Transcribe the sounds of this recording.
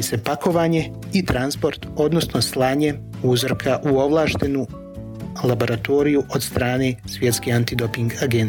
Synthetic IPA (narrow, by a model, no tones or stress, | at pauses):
ise̞pako̞ʋaːɲe̞ | it̪ɾanspo̞ɾt̪o̞d̪no̞sno̞slˠaːɲe̞ | uzrkʰaʔuo̞ʋlˠaːʃt̪enu | lˠabo̞ɾat̪o̞ːɾijuʔod̪st̪ɾaːne̞sʋje̞t̪skeant̪id̪o̞piŋɡaɡen